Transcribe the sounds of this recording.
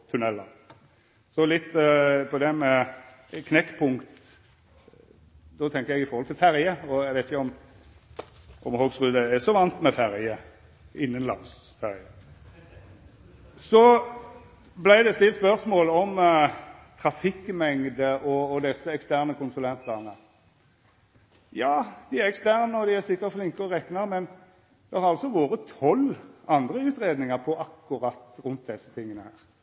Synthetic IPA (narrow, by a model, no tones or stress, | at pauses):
t̪ʰʉnɛlːə | sɔlɪt̪ːpʰɔd̪ɛmɛ | kʰnɛkːpʰʊŋkt̪ | d̪ɔt̪ʰɛŋkəɾjɛɡɪfɔɾɔlt̪ɪlfæɾjəɔɛɡʋæɪt̪ɪçəɔm | ʔɔmhoːɡsʁʉːd̪əæsɔʋɑnt̪mɛfæɾjə | ɪnːənlɑ̰ŋsfæɾjə | sɔ | blæɪd̪ɛst̪ɪlt̪spœʁsmoːlɔm | t̪ʰɾɑfɪkːmɛŋd̪əʔɔːd̪ɛsːəɛkst̪æʁnəkʰʊnsʊlɛnt̪əʁnə | jɑːd̪̥ɪæʁɛkst̪æʁnəɔd̪ɪæsɪkːətflɪŋkəɔʁɛknəɾmɛn | d̪̥ɛhɑɾɑlsɔʋoːɾət̪ʰɔlɑnd̪ɾəʉːt̪ɾeːd̪nɪŋəʁpʰɔʔɑkːʊɾɑt̪ːɾʉnt̪̚d̪ɛsːə̥t̪ʰɪŋːənəhæ̰ːɾ